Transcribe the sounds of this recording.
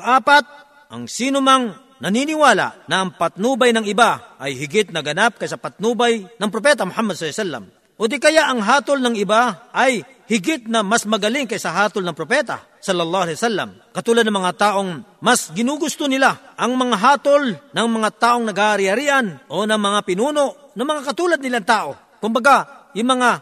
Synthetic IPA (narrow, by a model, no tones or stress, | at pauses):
ʔaːpat̪̚ | ʔɐ̰ŋsiːnʊmɐŋ | nɐniːnɪwaːla̰ʔnɐʔɐŋpɐt̪̚nuːbajnɐŋɪbaʔɐjhɪɡɪt̪̚nɐɡɐnap̚kɐjsɐpɐt̪̚nuːbajnɐŋp̬ɾop̬ɛːt̪ɐmʊhamːɐd̪̚slasalːɐ̰m | ʔod̪ɪkɐjaʔɐŋɦaːt̪olnɐŋɪbaʔɐj | hɪɡɪt̪̚nɐmasmɐɡɐlɪŋkɐjsɐɦaːt̪olnɐŋpɾopɛːt̪a̰ | sɐlːɐlˠːɑːhɐlɛjwsalːɐ̰m | kɐt̪uːlad̪nɐŋmɐŋat̪aːʔoŋmasɡɪnuːɡʊst̪onɪlaʔɐŋmɐŋaɦaːt̪olnɐŋmɐŋat̪aːʔoŋnɐɡhaʔaɾɪhɐɾiːʔɐnʔonɐŋmɐŋapɪnuːnoʔnɐmɐŋakɐt̪uːlɐd̪nɪlaŋt̪aːʔo | kʊmbɐɡajʊŋmɐŋa